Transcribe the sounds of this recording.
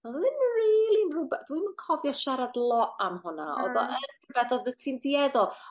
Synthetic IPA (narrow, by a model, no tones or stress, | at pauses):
ɔððɪnriːlˠinrubɛdwimənkʰɔvjɔʃaɾadlˠɔʔʔamhʊna̰ɔ̰ðɔʔənrubɛθɔðətʰindiɛðɔ